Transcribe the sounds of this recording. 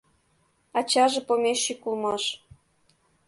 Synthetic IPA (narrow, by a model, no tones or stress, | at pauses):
ɑt͡ɕɑʒĕpomʲeʃːikulmɑʃ